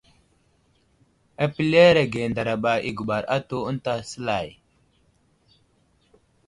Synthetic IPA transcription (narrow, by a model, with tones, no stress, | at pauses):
a˨pi˦le˦ɾe˨ɡe˨nda˨ɾa˨ɓa˨ḭ˨ɡu˨ɓa˨ɾʔa̰˦tu˦ə˦nta˦sə˦la˨j